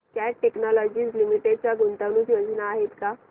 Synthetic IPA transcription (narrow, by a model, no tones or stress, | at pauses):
kjaʈeknɔlɔd͡ʑiːslimiʈeɖt͡ɕaɡunt̪aʋnuːsjod͡zʱnaːɦet̪ka